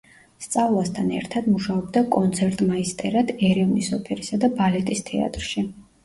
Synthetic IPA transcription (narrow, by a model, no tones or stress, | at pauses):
st̪sʼavlˠast̪ʰanɛ̰ɾt̪ʰad̪muʃaɔbd̪akʼɔnt̪sʰɛɾt̪ʼmaist̪ʼɛɾad̪̥ɛɾɛvnisɔpʰɛɾisad̪abalɛt̪ʼist̪ʰɛ̰a̰t̪ʼɾʃi